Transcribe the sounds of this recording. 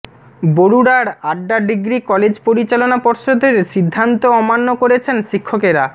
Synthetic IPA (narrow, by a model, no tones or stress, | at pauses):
boɾuɽaɾaɖɖaɖiɡɾikɔled͡ʑpoɾit͡ɕalonapoɾʃod̪ʱeɾʃid̪ʱːant̪oɔmanːokoɾet͡ɕʰenʃikʰːokeɾa